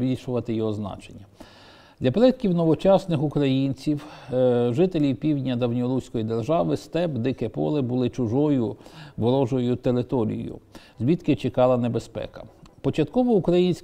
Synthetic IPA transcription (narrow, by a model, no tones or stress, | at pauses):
bʲilʲʃʊʋɐt̪ɪjɔɦɔznɑ̰t͡ʃenʲːɐ | d̪lʲɐpɾɛt̪̚kʲiwnɔʋɔt͡ʃɑsnɪxʊkɾɐjinʲt͡sʲiwʒɪt̪elʲiwpʲiwdʲnʲɐd̪ɐwnʲɔɾusʲkɔjid̪erʒɑʋɪst̪ɛbd̪ɪkɛpɔ̰lˠɪbʊlˠɪt͡ʃʊʒɔjʊʋɔɾɔʒɔjʊt̪eɾɪt̪ɔɾʲḭj̰jʊ̰zʲʋʲit̪kɪt͡ʃɪkɑlˠɐnebespɛ̰kɐ̥pɔt͡ʃɐt̪kɔʋɔukɾɐjinʲsʲ